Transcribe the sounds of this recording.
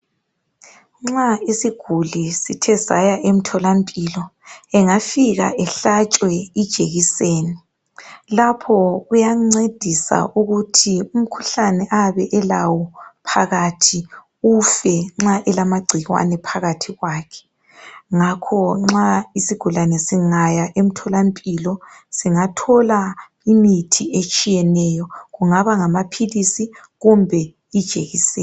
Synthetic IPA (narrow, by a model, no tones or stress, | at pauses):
ŋ͡ǁaisiɡ̥ʱulisitʰɛza̰jaʔem̩tʰɔlampʼiːlɔɛŋafiɣa̰ʔɛɬat͡ʃʼwɛid̥ʒ̥ʱeɣiseːni | lapʰɔɣujaŋ͡ǀed̥ʱisa̰ʔuɣutʰium̩kʰu̥ɬanɛʔaβɛʔɛlawɔpʰaɣatʰi | ufɛŋ͡ǁaʔɛlamaɡ͡ǀʱiɣwa̰nɛpʰaɣatʰiɣwakʰɛ̥ | ŋakʰɔŋ͡ǁaisiɡ̥ʱulanɛsiŋajaʔem̩tʰɔlampʼilɔsiŋatʰɔla | imitʰiet͡ʃʼijɛnɛjɔɣuŋaβaŋamapʰilisi | ɣumbʱɛ | id̥ʒ̥ʱeɣisɛː